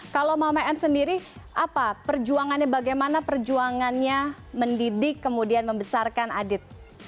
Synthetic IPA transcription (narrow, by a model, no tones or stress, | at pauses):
kalomamaɛmsəndiɾiʔapapərd͡ʒuaŋanɲabaɡajmanapərd͡ʒuaŋanɲa | məndidɪkːəmudianməmbəsarkanadɪt̪̚